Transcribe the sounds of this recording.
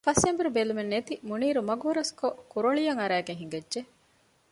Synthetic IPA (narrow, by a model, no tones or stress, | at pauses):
fɐsembuɾubelumenːet̪imuniːɾumɐɡuːɾɐskokuɾoɭijɐŋɐɾæːɡeŋɦiŋɡedʒe